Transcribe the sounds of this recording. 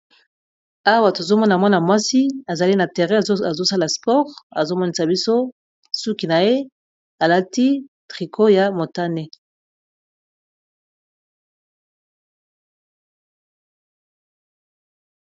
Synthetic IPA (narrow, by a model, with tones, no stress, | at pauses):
a˦wa˨to˨zo˦mɔ˦na˨mwa˦na˨mwa˦si˦a˨za˨li˦na˨tɛ˨ʁɛ˦˨a˨zo˦sa˦la˨spɔ˦ʁa˨zo˦mɔ˦ni˦sa˨bi˦so˦ | su˦ki˨na˨je˦ | a˨la˦ti˦tʁi˨kʰo˦ja˨mo˨ta˦ne˨